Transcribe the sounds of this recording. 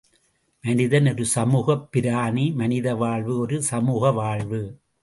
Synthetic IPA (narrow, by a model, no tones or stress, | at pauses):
mɐnɪðɐnɔɾɯsɐmuːɣɐpːɪɾaːnimɐnɪðɐʋaːɭʋɯɔɾɯsɐmuːɣɐʋaːɭʋɯ